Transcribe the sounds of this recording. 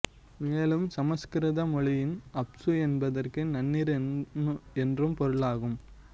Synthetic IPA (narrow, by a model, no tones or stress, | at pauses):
meːlɯmsɐmɐskɪɾɐðɐmɔɭɪjɪnɐpsɯɛnbɐðɐrkɯnɐnːiɾ | ɛndrɯmpɔɾɯɭaːɣɯm